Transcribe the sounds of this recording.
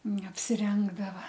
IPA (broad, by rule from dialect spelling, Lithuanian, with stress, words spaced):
nʲɛɐpʲsʲɪˈrʲɛŋɡdɐʋɐ